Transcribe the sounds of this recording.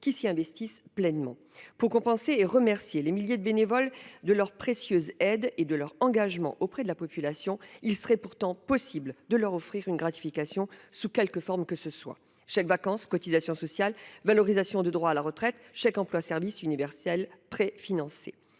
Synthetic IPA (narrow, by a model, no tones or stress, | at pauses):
kʲisiɛ̃vɛst̪isplɛnmɑ̃ | puʁkɔ̃pɑ̃seːʁəmɛʁsjelemiljed̪əbenevɔld̪əlœʁpχesjøzɛd̪ed̪əlœʁɑ̃ɡaʒmɑ̰̃ʔopχɛd̪əlapɔpylasjɔ̃ilsəʁɛpuʁt̪ɑ̃pɔsibld̪əlœʁɔfχiʁynɡʁat̪i̥fikasjɔ̃sukʲɛlkəfɔʁmkəsəswa̰ | ʃakvakɑ̃skɔt̪izasjɔ̃sɔsjalvalɔʁizasjɔ̃d̪əd̪ʁwaːlaʁət̪χɛt̪ʃakɑ̃plwasɛʁvisynivɛʁsɛlpχefinɑ̃sḛ